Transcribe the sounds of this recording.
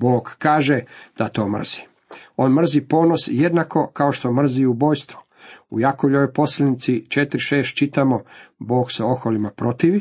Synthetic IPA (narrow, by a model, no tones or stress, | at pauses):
bo̞ːɡkaːʒed̪̥at̪o̞ːmr̩̰z̥i̥ | o̞ːnmr̩zipo̞ːno̞sje̞d̪nako̞kao̞ʃt̪o̞mr̩ziubo̞ːjst̪ʋo | ṵjakoʎoʋojpo̞slenit̪sit͡ʃet̪ɾiʃe̞ːst̪̚t͡ʃit̪amo̞bo̞ːɡsao̞xolimapɾo̞t̪iʋi